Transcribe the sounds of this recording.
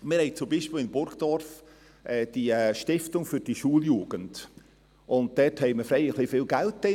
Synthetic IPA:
mɪɾhɛɪt͡sʊmbiːʃpiːlɪnb̥ʊɾɡd̥ɔɾf | ʔɛːd̥iʃtɪftʊŋfʏɾd̥iʃuːəljuːɡ̥ənd̥ | ʔʊnd̚d̥ɛthɛɪməfɾɛɪəχlifɪːlɡæltːɛ

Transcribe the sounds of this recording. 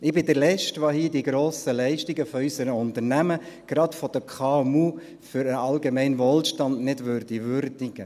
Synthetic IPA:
ɪbɪdəɾlɛʃtʋoɦiːdiɡɾoːsəlɛɪʃtiɡəfɔysəɾəʊntəɾnæməɡ̥ɾɑtfɔd̥̪əkʰɑɛmuː | fʏɾəɑlɡemɛɪnʋolʃtɑndnɪdʋøɾdiʋøɾdiɡ̥ə

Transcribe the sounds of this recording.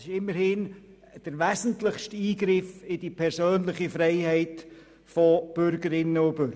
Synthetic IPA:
sɪʃɪmːəɾhɪn | d̥əɾvæzən̩tlɪχʃtiːɡɾɪfɪd̥ipʰɛɾsøːnlɪχifɾɛɪhɛɪt | fɔb̥ʏɾɡəɾɪnːəʊb̥ʏɾ

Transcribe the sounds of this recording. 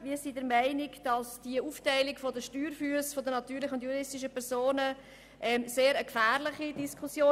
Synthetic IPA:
ʋiːsidəɾmæɪnɪkd̥ɑsd̥iəuːftɛɪlɪkfɔdəʃtyːɾfyəsfɔdənɑt̪yːɾlɪχəʊntjuɾɪstiʃ̬əpʰɛɾsoːnə | ʔɛmseːɾəkfæːɾlɪχidiskʰusjoː

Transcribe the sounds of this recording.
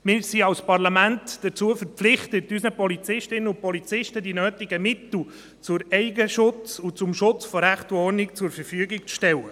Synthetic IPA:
mɪːɾsiɑwspɑrlɑmæntd̥ət͡suəfəɾpflɪχtətysnəpɔlit͡sɪʃtɪnːəʊpɔlit͡sɪʃtədinøːtɪɡəmɪt̪l̩ | t͡sʊɾɛɪɡəʃʊt͡sut͡sʊmʃʊt͡sfɔɾæχtɔɾnɪkt͡sʊɾfəɾfyəɡɪk̚t͡sʃtɛlːə

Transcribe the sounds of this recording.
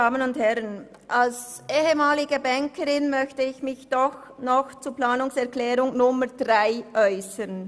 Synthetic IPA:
aːmənʊnthɛʁən | ʔals | ʔeːɦəmaːlɪɡəbɛŋkəʁɪnmœçtəɪçmɪçd̥ɔx | nɔxt͡suːplaːnʊŋsɛɐʁklɛːʁʊŋnʊməd̥ʁaɪʔœʏsən

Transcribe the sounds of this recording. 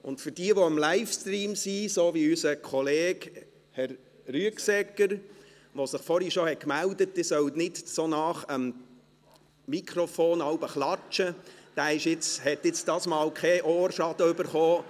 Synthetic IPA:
ʊ̰ntfyɾd̥iəʋoəmlaɪfstriːmsisoːʋiysəkʰɔleːɡ | hɛɾ | ɾyəksɛkːəɾ | ʋosɪχfɔɾhiʃohɛkmældət̚d̥iːsœwtnɪtsonɑχəm | ikʰχɾɔfoːnɑwbəχlɑt͡ʃəd̥æːɪʃɪt͡shɛt̪ːɪt͡sd̥ɑːsmɑːwkχɛʔoːɾʃɑd̥̪əʏbəɾχoː

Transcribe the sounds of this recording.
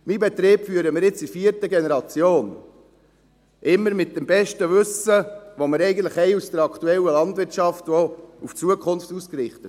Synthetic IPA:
mibɛt̪ɾeːbfyəɾəmɪɾɪt͡sifiːəɾtəɡɛnɛɾɑt͡sjoːn | ʔɪmːəɾmɪt̚d̥ɛmbɛʃtəʋʉsəʋoməɾɛɪɡən̩t̪ləχɛɪusd̥əɾɑkʰtuɛləlɑndʋɪɾtʃɑftʋouft͡suəkʰʊnftuskɾɪχt̪ət

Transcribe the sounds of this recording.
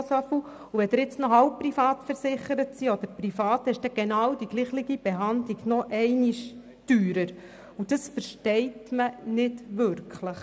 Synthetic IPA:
sœfu | uʋɛd̥̪ɪɾɪt͡snɔɦɑwp̚pːrifɑːt̪fəɾsɪχːəɾətsiɔd̪əɾprifɑːt̪ɛʃd̥ɛɡ̥enɑːwd̥iɡ̥liːχlɪɡib̥eɦɑnd̪liɡnɔʔɛɪniʃ | d̥yːɾəɾ | ud̥əsfəɾʃtɛɪtmənɪdʋʏɾkχləχ

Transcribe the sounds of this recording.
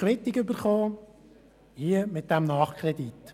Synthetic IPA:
ʋɪt̪ɪkʏbəɾχoː | hiəmɪt̪̚d̥æmnɑːχkʰɾɛd̪it̪

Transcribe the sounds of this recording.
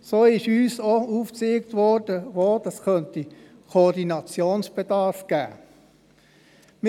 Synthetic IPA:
soːɪʃyːsouːfseːkt̪ʋɔɾd̥əʋoːdəɛskœnt̪i | kʰordinɑt͡sjoːnsb̥ed̥ɑɾfɡ̥æ̰ː | m

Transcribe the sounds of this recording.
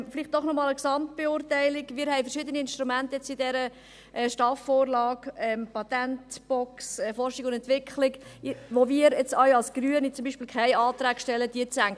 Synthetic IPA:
fliχt̚d̥ɔχnɔmɑːləksɑmt̚b̥eʊːɾtæɪlɪɡmɪːɾhɛɪfəɾʃɪːd̪əniɪnʃtɾumænt̪əjɛt͡sidɛɾə | ʔɛːʃtɑfːoːrlɑːɡɛmpɑt̪æntb̥ɔksɛfɔrʃɪɡʊndɛntʋɪkχlɪkʋoʋiəɾjɛt͡sawɑlsɡ̥ɾyənit͡sʊmbiːʃpiːlkʰæɪɑːt̪ɾæːɡ̥ʃtɛləd̥iət͡sæŋ

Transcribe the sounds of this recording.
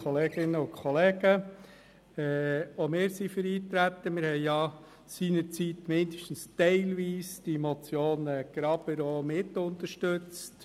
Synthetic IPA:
ɔleːɡɪnːəʊkχɔleːɡə | ɛomɪːɾsifəɾiːt̪ɾæt̪ːəmɪɾhɛɪjɑ | siːnəɾt͡sitmɪndəʃtən̩stɛɪlʋiːsd̥imɔt͡sjoːnɛɡ̥ɾɑb̥əɾoːmɪtːʊnt̪əɾʃtøt͡st

